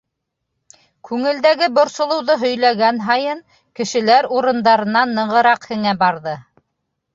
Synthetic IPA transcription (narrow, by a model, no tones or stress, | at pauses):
kʉŋɘ̆ld̪æɡɘbŏɾsŏlˠɤ̆wðɤɦɵ̆jlæɡænɦɑjɤn | kɘ̆ʃɘ̆læɾuɾɤ̆nd̪ɑɾɤ̆nɑnːɤ̆ɴʁɤ̆ɾɑqhɘ̆ŋæbɑɾðɤ